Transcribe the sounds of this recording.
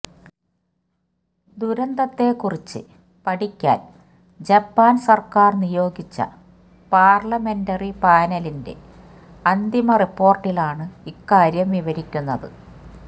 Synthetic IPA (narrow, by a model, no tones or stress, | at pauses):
d̪uɾɐnd̪ɐt̪ːe̞kurit͡ɕːɨ̰ | pɐʈikʲːa̰ːl | d͡ʑɐpːaːnsɐrkaːrnijo̞ːɡit͡ɕːɐ̰ | paːrlɐme̞ndɐripaːnɐlinde̞̰ | ɐnd̪imɐripːo̞ːrʈːilaːɳɨikːaːɾjɐmʋiʋɐɾikʲːunːɐðɨ̰